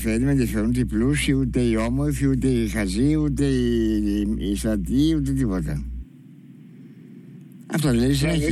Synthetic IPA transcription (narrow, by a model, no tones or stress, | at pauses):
feɾimenðifeɾunut̪iplusiut̪e̞iomoɾfiut̪eixɐziut̪e̞i | isɐt̪iut̪̬et̪̬ipot̪ɐ̰ | ɐ̰ft̪oðleɾis̬ine